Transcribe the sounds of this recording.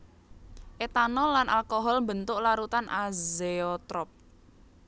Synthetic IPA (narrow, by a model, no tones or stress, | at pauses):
ʔet̪anɔlanʔalkoɦɔlmbənt̪ʊʔlaɾut̪anʔazeɔt̪ɾɔp̚